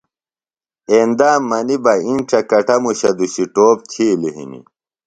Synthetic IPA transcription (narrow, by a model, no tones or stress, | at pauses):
eːnd̪aːmːɐnibɐinʈ͡ʂɐkɐʈɐmuɕɐd̪uɕiʈoːp̚t̪ʰiːliɦḭnḭ